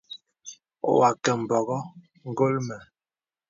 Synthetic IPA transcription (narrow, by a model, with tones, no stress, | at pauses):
wa˨kɛ˨m̩˨bɔ˨ɣɔ˦ | ŋ̩˦ɡo˦lmɛ˨